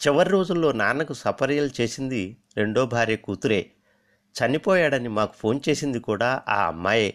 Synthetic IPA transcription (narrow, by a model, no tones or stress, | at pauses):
t͡ʃiʋɐɾiɾo̞ːd͡ʒulːo̞ːnaːnɐkusɐpɐɾɐjɐlt͡ʃe̞ːsind̪iɾe̞ɳɖoːbʱaːɾeːkuːt̪uɾe̞ː | t͡ʃɐnipɔːjaːɽɐnimaːku̥pʰo̞ːnt͡ʃe̞ːsind̪ikuːɽaːʔa̰ːɐ̰mːa̰ːje̞ː